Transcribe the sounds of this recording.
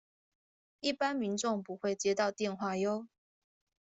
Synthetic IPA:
i˥˨˩pa˦nmi˨˧˦nʈ͡ʂo˥˨ŋpu˨˦xwe˥˨ɪt͡ɕjɛ˥t̪ɑ˥˨ʊt̪jɛ˥˨nxwa˥˨jo˥˦ʊ

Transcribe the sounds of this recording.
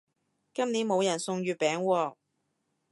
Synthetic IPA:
kɐ˥mniː˨˥nmo˨˧wjɐ˨˩nsʊ˧ŋɥyː˧pɛː˨˥ŋwɔː˧

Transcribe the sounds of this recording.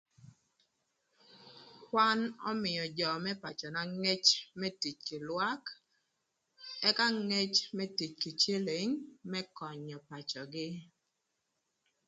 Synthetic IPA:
kwa˦nɔ̰˦mɪ˨jɔ˨d͡ʒɔ˨mɛ˦pa˨t͡ʃɔ˨na˨ŋe˦t͡ʃmɛ˦ti˨t͡ʃkɪ˨lwa˦k | ɛ˦ka˦ŋe˦t͡ʃmɛ˦ti˨t͡ʃki˨t͡ʃe˦le˨ŋmɛ˦kɔ˨ɲɔ˨pa˨t͡ʃɔ˨ɡɪ˦

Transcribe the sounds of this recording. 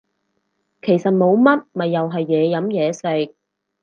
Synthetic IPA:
kʰe˨˩jsɐ˨t̚mo˨˧wmɐ˥t̚mɐ˨jːɐ˨wɦɐ˨jːɛː˨˧jɐ˨˥mjɛː˨˧sɪ˧k̚

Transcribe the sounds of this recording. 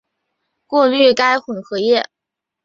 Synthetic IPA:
kwɔ˥˧ly˥˩ka˥ɪxwə˨˩nxɤ˧˥jɛ˥˩

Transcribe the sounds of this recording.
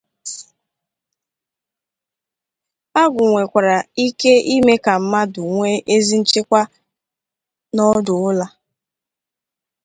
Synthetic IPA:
a˦ɡʊ˨ŋʷe˨kʷa˨ɾa˨i˦ke˦i˦me˦ka˨m̩˦ma˦dʊ˨ŋʷe˦ʔe˦zi˦n̩˦t͡ʃɪ˦kʷa˦ | nɔ˦dʊ˨ʊ˦la˦

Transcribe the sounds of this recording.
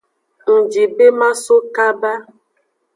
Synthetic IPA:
ŋ̩˨d͡ʒi˨be˦mã˦so˦ka˦ba˦

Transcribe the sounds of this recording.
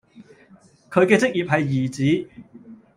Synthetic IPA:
kʰɵ˨˧ɥkɛː˧t͡sɪ˥k̚jiː˨p̚ɦɐ˨jːiː˨˩t͡siː˨˥

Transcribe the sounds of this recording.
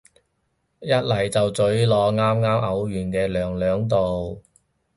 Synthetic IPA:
jɐ˥t̚lɐ˨˩jt͡sɐ˨wt͡sɵ˨˥ɥlɔː˨˧ŋaː˥mŋaː˥mʔɐ˨˥wjyː˨˩nkɛː˧lœː˨ŋlœː˨˥ŋt̪o˨w

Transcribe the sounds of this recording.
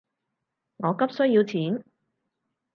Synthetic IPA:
ŋɔː˨˧kɐ˥p̚sɵ˥jiː˧wt͡sʰiː˨˥n

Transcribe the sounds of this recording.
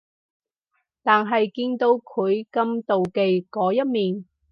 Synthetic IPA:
t̪aː˨nɦɐ˨jkiː˧nt̪o˧wkʰɵ˨˧˥ɥkɐ˧mt̪o˨wke˨jkɔː˨˧jɐ˥t̚miː˨n

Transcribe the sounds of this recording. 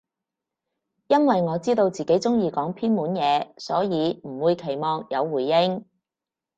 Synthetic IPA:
jɐ˥nwɐ˨jŋɔː˨˧t͡siː˥t̪o˧wt͡siː˨˩ke˨˥jt͡sʊ˥ŋjiː˧kɔː˨˥ŋpʰiː˥nmuː˨˥njɛː˨˧sɔː˨˥jiː˨˧m̩˨˩wuː˨˧jkʰe˨˩jmɔː˨˧ŋjɐ˨˧wːuː˨˩jːɪ˥ŋ

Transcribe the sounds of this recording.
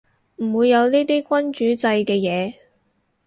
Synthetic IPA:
m̩˨˩wuː˨˧jːɐ˨˧wniː˥t̪iː˥kʷɐ˥nt͡ʃyː˨˥t͡sɐ˧jkɛː˧jɛː˨˧

